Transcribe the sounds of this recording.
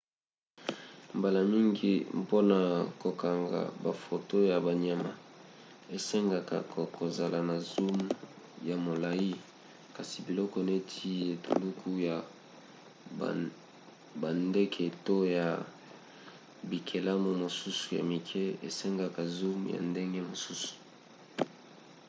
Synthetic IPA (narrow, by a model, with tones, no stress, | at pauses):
mba˨la˨mi˦ŋɡi˦po˦na˨ko˨ka˨ŋɡa̰˨ba˨fo˨to˦ja˨ba˨ɲa˨ma̰˨ | e˨sɛ˦ŋɡa˨ka̰˨kko˨za˨la˨na˨zu˦m | ja˨mo˨la˨i˦ | ka˨si˨bi˨lɔ˦kɔ˦˨ne˦tʰi˦e˨tu˨lu˦kʰu˦ja˨ | ba˨nde˦kʰe˨to˦ja˨ | bi˨kʰe˨la˦mo˨mo˨su˦su̥˨ja̰˨mi˨kʰɛ˦ḛ˨sɛ˦ŋɡa˨ka˨zu˦mja̰˨nde˦ŋɡe˦mo˨su˦su̥˨